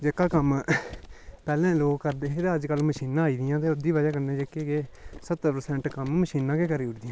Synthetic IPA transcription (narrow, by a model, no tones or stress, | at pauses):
d͡ʒekːaːkəm | pɛːlɛ̃ːloːɡkəɾd̪eːed̪aːəd͡ʒkəlməʃiːnãːiːd̪ɪjãːt̪eːʊd̪iːʋad͡ʒaːkəɾd̪ẽːd͡ʒekːeːkeːsət̪ːəpəɾsɛ̃ːɳʈkəmməʃiːnːãːkeːkəɾiːʊʈd̪ɪjãː